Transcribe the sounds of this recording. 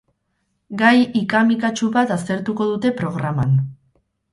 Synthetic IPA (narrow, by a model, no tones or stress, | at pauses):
ɡajikamikat͡ʃuβat̪ast̪e̞ɾt̪uko̞ðut̪e̞pɾo̞ɣɾaman